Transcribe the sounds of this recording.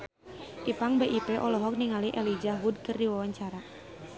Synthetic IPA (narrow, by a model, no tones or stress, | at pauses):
ʔipaŋbeʔipɛʔɔlɔɦɔk̚niŋaliʔɛlid͡ʒawud̚kərdiwawaɲt͡ʃaɾa